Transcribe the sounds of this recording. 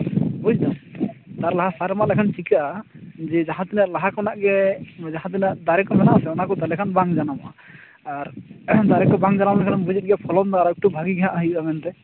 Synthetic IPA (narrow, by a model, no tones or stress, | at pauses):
bɔjd̪ɔt̪aɾlaɦasaɾɛmalɛkʰant͡ʃikaʔad͡ʒɛd͡ʒaɦãt̪inaʔlaɦakɔnaʔɡɛd͡ʒaɦãt̪̬inaʔd̪aɾɛkɔmɛnaʔsɛɔnakɔt̪alɛkʰanbaŋd͡ʒanamʔa | aɾd̪aɾɛkɔbaŋd͡ʒanamlɛkʰannbud͡ʒit̪̚ɡɛpʰɔlɔnd̪ɔaɾɛk̚ʈubʱaɡiɡɛɦaʔaɦəjʔamɛnt̪ɛ